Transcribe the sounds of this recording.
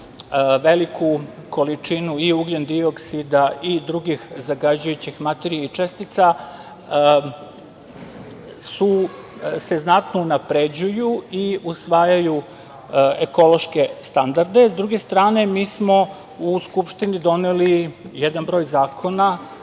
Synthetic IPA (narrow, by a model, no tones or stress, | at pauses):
ʋelikʰuko̞lit͡ʂinuiuɡlend̪ioksid̪aid̪ɾuɡixzaɡad͡ʑujut͡ɕixmat̪eɾijeit͡ʂest̪it̪sa | su | se̞znat̪nounapɾed͡ʑujuiusʋaːjaju | eko̞lo̞ʃke̞st̪and̪aɾd̪e̞zd̪ɾuɡe̞st̪ɾaːne̞miːsmo̞ | uskupʃt̪inid̪o̞nelijed̪anbɾo̞ːjzaːkʰona